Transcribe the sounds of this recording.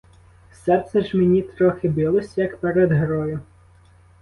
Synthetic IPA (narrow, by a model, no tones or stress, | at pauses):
sɛt̪sɛʒmenʲit̪ɾɔxɪbilˠɔsʲjɐkpeɾed̪ɦɾɔjʊ